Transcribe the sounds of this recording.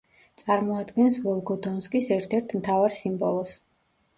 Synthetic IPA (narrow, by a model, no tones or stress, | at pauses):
t̪sʼaɾmɔad̪ɡɛnsvɔlˠɡɔd̪ɔnskʼisɛɾt̪ʰɛɾt̪ʰmt̪ʰavaɾsimbɔlˠɔs